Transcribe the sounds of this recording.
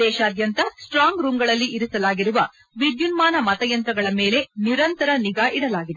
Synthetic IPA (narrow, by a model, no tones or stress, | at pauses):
d̪ɛːʃɐːd̪jɐnt̪ɐsʈɾaːŋɡɾuːmɡɐɭɐlːiʔːɾisɐlaːɡiɾuʋɐ | ʋiɖjunmaːnɐmɐt̪ɐjɐnt̪ɾɐɡɐɭɐmeːle̞niɾɐnt̪ɐɾɐniɡaːʔiɽɐlaːɡid̪e